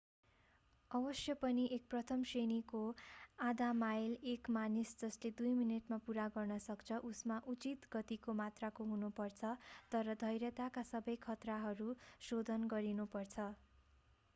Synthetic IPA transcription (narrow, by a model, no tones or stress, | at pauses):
ʌbʌsjʌpʌniʔek̚prʌt̪ʰʌmsenikoad̪amajlekmanisd͡zʌsled̪ujmineʈmapuɾaɡʌrnʌsʌkt͡sʰʌʔusmaʔut͡sit̪ɡʌt̪ikomat̪rakoɦunupʌrt͡sʰʌt̪ʌɾʌd̪ʱʌjɾjʌt̪akasʌbʌjkʰʌt̪raɦʌɾusod̪ʱʌnɡʌɾinupʌrt͡sʰʌ